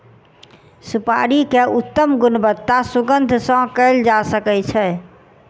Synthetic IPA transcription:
supa̰ɾikeʔut̪ːəmɡunbət̪ːasuɡənd̪ʱsə̃kəɪld͡ʒasəkɛt͡ʃʰɛ

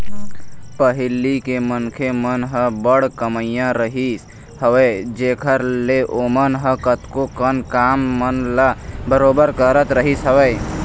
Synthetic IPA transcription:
pəɦɪlikemənkʰemənɦəbəɽkəməjãɾəɦis | həʋed͡ʒeːkʰəɾleʔomənɦəkət̪kokənkaːmːənlabəɾoːbəɾkəɾət̪ɾəɦisəʋəj

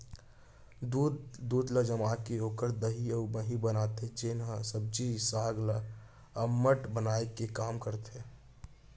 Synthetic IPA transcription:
d̪uːd̪d̪uːd̪ləd͡ʒəmakeoːkəɾd̪əɦiəbəɦĩbənaːt̪ed͡ʒenɦəsəb̚d͡ʒisaːɡla | əmːəʈbənaːekekaːmkəɾt̪ɦeː

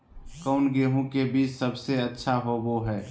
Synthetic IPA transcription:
kɔʊnɡeːɦũkebiːt͡ʃsəbseɐtːʃʰaɦoboɦɛː

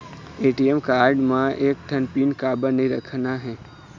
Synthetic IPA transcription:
eːʈiemkaːɾɖmãʔeːkʈʰənpiːnkaːbənɐĩɾɐkʰnaɦɛ̃ː

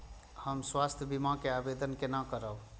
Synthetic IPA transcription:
həmswast̪ʰjəbimãkeabed̪ənkenəkəɾəb

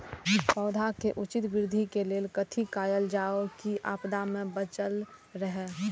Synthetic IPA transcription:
pɔːʊd̪ʱakeʔʊt͡ʃɪt̪ɡɪɾd̪ʱikeleːlkət̪ʰikaːjəld͡ʒaːokiʔa̰ːpd̪amẽbət͡ʃəlɾəɦɛ

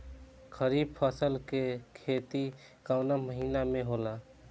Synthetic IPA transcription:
kʰəɾib̚pʰəsəlkekʰet̪i | kaʊnaməɦiːnameɦola

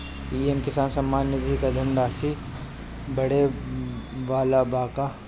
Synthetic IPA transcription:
iːemkɪsaːnsɐmːaːnjəd̪ʱikɐd̪ʱəɳɖaːsi | bɐɽe | ʋaːlabaːka

